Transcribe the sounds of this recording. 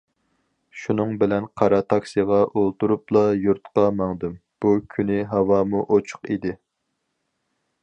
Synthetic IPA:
ʃunɨŋbɪlɛnqʰɑɾɑt̪ʰɑksiʁɑʔolˠt̪uɾuplˠɑjuɾt̪qɑmɑŋd̪ɨmb̥ukʲʰynɪɦɑwɑːmuʔot͡ʃʰʊ̥qid̪ɪ

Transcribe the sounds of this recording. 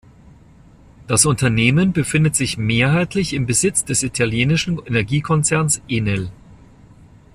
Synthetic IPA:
d̥asʔʊntɐneːmənbəfɪndətz̥ɪçmeːɐɦaɪtʰlɪçɪmbəzɪt͡sd̥ɛsitʰaljeːnɪʃn̩ɛnɛɐɡiːkʰɔnt͡sɛɐnsʔeːnɛl

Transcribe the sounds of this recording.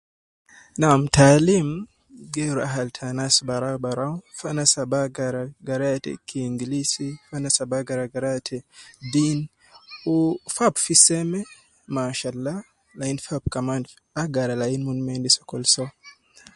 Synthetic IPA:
namtʰalim | ɡeɾuaɦaltʰanasbaɾawbaɾawfanasabaɡaɾaɡaɾatɛ̰kʰiŋɡilisifanasabaɡaɾaɡaɾatʰɛdin | ufabfisɛmɛ | maʃalːa | lainfab̚kaman | aɡaɾalainmunmendisɔ̥kɔlsɔ

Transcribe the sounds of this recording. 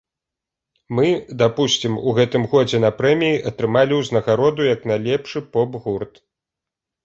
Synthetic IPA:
mɨd̪apusʲt͡sʲimuɣɛt̪ɨmɣɔd͡zʲɛn̪ɐpɾɛmʲijiʔɐt̪ɾɨmalʲiwznɐɣaɾɔd̪ujɐknalʲɛpʂɨpɔbɣurt̪

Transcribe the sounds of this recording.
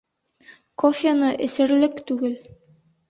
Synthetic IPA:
kofʲanɤʔɘ̆sɘ̆ɾlɘkt̪ʉɡɘl

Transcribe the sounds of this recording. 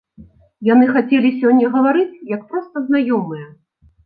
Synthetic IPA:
janɨxat͡sʲelʲis̬ʲɔnʲːɐɣɐvaɾɨt͡sʲjɐkpɾɔst̪ɐznajɔmɨjɛ

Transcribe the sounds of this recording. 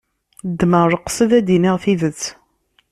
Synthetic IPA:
d̪ːməɾˤəqːsəðæd̪iniʁθiðət͡sː

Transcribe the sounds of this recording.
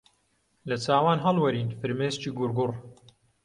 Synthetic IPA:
lɐt͡sʰaːwaːnɦɐlwɐɾiːnfɨɾmeːzt͡ʃiːɡʊɾɡʊr

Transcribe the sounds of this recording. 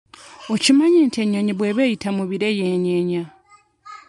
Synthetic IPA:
ocimaɲeːntʰeɲeɲiβweβejitʰamuβiɾejeːɲeɲa

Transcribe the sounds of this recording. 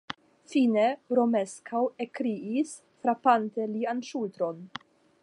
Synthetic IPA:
fineɾomeskʰawekɾiis | fɾapant̪elianʃult̪ɾon

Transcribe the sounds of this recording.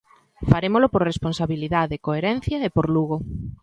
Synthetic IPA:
faɾemolopoɾresponsaβiliðaðekoeɾɛn̟θjɐepoɾluɣo

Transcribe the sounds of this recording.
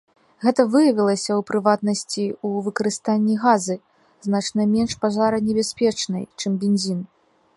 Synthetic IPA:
ɣɛt̪ɐvɨjɐvʲilˠɐsʲɐwpɾɨvat̪̚nɐsʲt͡sʲiuvɨkɐɾɨst̪anʲːiɣazɨ | znat͡ʂnɐmʲɛnʂpaʐaɾɐnʲɛbʲasʲpʲɛt͡ʂnɐ̰jt͡ʂɨmbʲɛnzʲin

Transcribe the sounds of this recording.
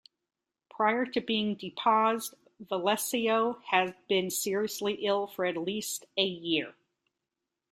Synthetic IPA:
pʰɹ̥aɪə˞ɾɨbiɪ̃ŋdɨpʰɔzd | vəlɛsioʊɨzbɪ̃nsɪɹiɨsliʔɪlˠfə˞ɨtˡlistɨjɪɹ

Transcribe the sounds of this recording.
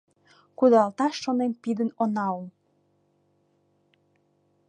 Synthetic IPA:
kud̪ɑlt̪ɑʃːonempid̪ənonɑul

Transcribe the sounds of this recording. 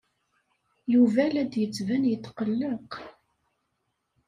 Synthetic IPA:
juvælæd̪jət͡sːvænjət̪ːqəlːəq

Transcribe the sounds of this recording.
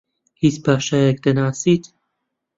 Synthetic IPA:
hit͡spʰaʃajɛk̚d̪ənaːsit̪ʰ

